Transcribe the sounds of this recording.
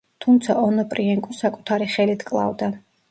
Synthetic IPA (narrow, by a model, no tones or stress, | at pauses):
t̪ʰumt̪sʰaʔɔnɔpʼɾiɛŋkʼɔsakʼu̥t̪ʰaɾiχɛlit̪ʰkʼlˠa̰vd̪a